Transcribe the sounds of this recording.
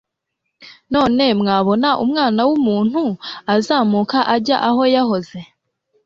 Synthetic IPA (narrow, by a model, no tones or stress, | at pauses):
no̞ːne̞mŋaːβo̞naʔṵmŋaːnawumuːn̥huazaːmuːkaʔaɾɟaʔaho̞jaɦo̞ze̞